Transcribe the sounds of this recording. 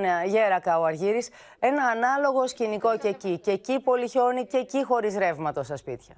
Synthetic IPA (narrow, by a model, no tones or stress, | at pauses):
ʝe̞ɾɐkɐoɐɾʝiɾis | e̞nɐːnɐlo̞ɣo̞sciniko̞cecice̞cipo̞liço̞nice̞cixo̞ɾizɾe̞vmɐt̪ost̪ɐspit̪çɐ